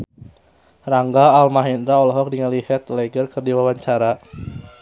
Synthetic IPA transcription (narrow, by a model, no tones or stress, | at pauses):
raŋɡaːlmaɦindɾaɔlɔɦɔk̚diŋəlihɛt̪lɛɡərkərdiwawaɲt͡ʃaɾa